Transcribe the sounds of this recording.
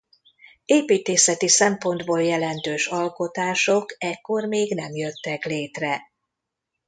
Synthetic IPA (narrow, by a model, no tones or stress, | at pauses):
eːpiːt̪eːsɛt̪isɛmpo̞nd̪boːljɛlɛnt̪øːʃɒlko̞t̪aːʃo̞kɛkːo̞rmeːɡnɛmjø̞t̪ːɛkleːt̪rɛ